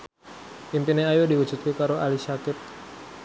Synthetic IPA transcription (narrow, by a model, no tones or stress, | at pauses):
impineajodiwud͡ʒut̪̚kikaɾoʔalisakɪt̪̚